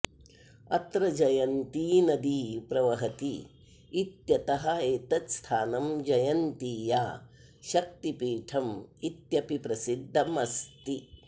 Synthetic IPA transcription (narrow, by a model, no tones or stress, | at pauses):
ɐ̰t̪ɾɐd͡ʒɐjɐnt̪iːnɐd̪iːpɾɐʋɐɦɐt̪iː | t̪jɐt̪ɐɦɐeːt̪ɐt̪st̪ʰaːnɐmd͡ʒɐjɐnt̪iːjaː | ʃɐk̚t̪ipiːʈʰɐmit̪jɐpipɾɐsid̪ʱːɐmɐst̪i